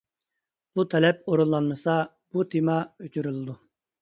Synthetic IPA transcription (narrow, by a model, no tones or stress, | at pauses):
b̥ut̪ʰɛlɛpoɾunˠːɑnmɨsɑ | b̥ut̪ʰimɑøt͡ʃ̪ʰyɾylˠɨd̪u